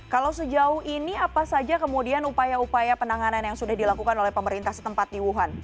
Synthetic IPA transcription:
kalawsəd͡ʒaʊhiniapasad͡ʒakəmudianupajaupajapənaŋananjaŋsudahdilakukanolɛhpəməɾint̪ahsə̥t̪əmpat̪̚diwuɦan

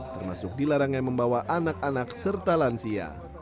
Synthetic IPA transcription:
t̪ərma̰sʊk̚dilaɾaŋjaməmbawaʔanak̚anaksərt̪alansia̰

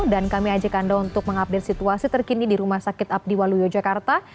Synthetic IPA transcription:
dankamiad͡ʒakandaunt̪ʊk̚məŋap̚det̪sit̪uasit̪ərkinidiɾumahsakɪt̪ap̚diwalujod͡ʒakart̪a

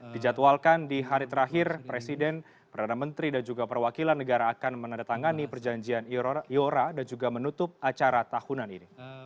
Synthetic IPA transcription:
did͡ʒat̪walkandiɦaɾit̪əɾaɦɪrpɾesidɛn | pərdanamənt̪ɾidand͡ʒuɡapərwakilanːəɡaɾaːkanmənandat̪aŋanipərd͡ʒaɲd͡ʒianioɾadand͡ʒuɡamənut̪ʊp̚at͡ʃaɾat̪ahunanḭni

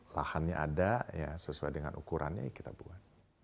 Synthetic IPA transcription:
lahanɲaʔadajasəsuajdəŋa̰nʔukuɾʔa̰nɲa̰jakit̪abuat̪̚

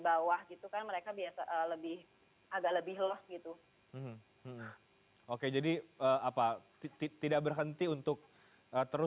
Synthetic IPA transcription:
bawahɡit̪ukanməɾekabiasaʔəːləbɪh | aɡaʔləbɪhlɔsɡit̪u | m̩m̩ | m̩ | oked͡ʒadiəːapat̪it̪it̪idak̚bərɦənt̪iunt̪ʊk̚ | əːt̪əɾʊ

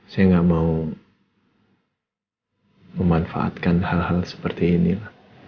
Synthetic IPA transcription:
sajaŋɡaʔmau | məmanfa̰ʔa̰t̪̚kanhalhalsə̥pərt̪iːnilah

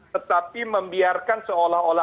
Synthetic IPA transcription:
t̪ət̪apiməmbiarkansəolahola

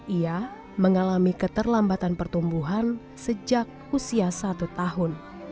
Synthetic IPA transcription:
ʔia | məŋalamikət̪ərlambat̪anpərt̪umbuɦan | səd͡ʒak̚ | usiasat̪ut̪aɦʊn

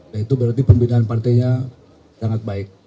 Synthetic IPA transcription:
dait̪ubəɾart̪ipəmbidaɦanpart̪ajɲa | saŋat̪̚baɪk̚

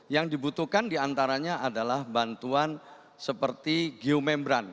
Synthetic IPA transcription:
jaŋdibut̪uhkandiant̪aɾaɲaʔadalahbant̪uan | səpərt̪iɡiomɛmbɾan

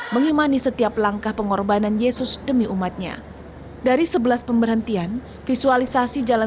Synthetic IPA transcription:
məŋimanisət̪iaplaŋkahpəŋɔrbananjesʊsdəmiʔumat̪̚ɲa̰ | daɾisəbəlaspəmbərɦənt̪ian | fisualisasid͡ʒala

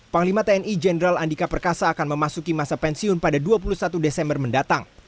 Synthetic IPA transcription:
paŋlimat̪eɛnid͡ʒɛnəɾalandikapərkasaːkanməmasukimasapɛnsiʊnpadaduap̬ulusat̪udesɛmbərməndat̪aŋ

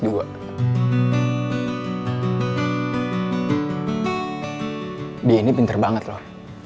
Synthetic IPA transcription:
dua̰ | diainipint̪ərbaŋət̪loh

